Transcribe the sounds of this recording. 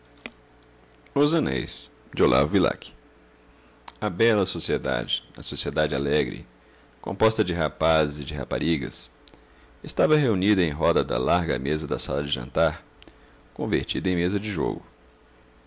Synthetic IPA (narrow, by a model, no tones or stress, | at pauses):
ozɐ̃nḛjs | d͡ʒɪolʔa̰vʊvila̰kɪ̥ | ɐbɛlɐsosied̪a̰d͡ʒɪnɐsosied̪ad͡ʒɪalɛɡɾɪ̰ | kõ̰mpɔst̪ɐd͡ʒɪɦapazɪzɪd͡ʒɪɦa̰pa̰ɾiɡɐ̰s | ɪst̪avɐɦeunid̪ɐẽj̃ɦɔd̪ɐd̪ɐ̰laɾɡɐ̰mezɐd̪ɐsalɐd͡ʒɪʒɐ̰̃nt̪aɾ | kõveɾt͡ʃid̪ɐẽj̃mezɐd͡ʒɪʒo̰ɡʊ